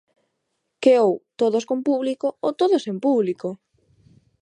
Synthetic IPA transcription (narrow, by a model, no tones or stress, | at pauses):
keowt̪oðoskompuβlikoot̪oðosempuβliko